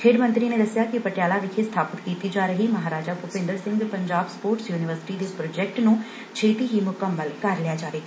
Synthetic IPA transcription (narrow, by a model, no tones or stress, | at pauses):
kʰeːɖmə̃nt̪ɾineːd̪əsɪjaːkɪpəʈɪjaːlaːʋɪkʰest̪ʰaːpət̪kiːt̪id͡ʒaːɾəɦiːmɐɦaːɾaːd͡ʒaːpʊpɪ̃nd̪əɾsɪ̃ŋɡpəɲd͡ʒaːbspoːɾʈsjuːnɪʋəɾsɪ̥ʈiːd̪epɾoːd͡ʒɛːk̚ʈnũː | t͡ʃʰeːt̪iːɦimʊkəmːəlkəɾlɪjaːd͡ʒaːʋeː